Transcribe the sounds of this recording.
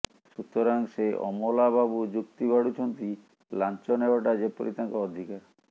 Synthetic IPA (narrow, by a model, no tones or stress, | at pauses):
ʃut̪ɔɾaŋseʔɔ̰mɔlababud͡ʒukt̪ibaɽut͡ʃʰɔnt̪i | lant͡ʃɔneɡɔʈad͡ʒepɔ̰ɾit̪aŋkɔːd̪ʱikaɾ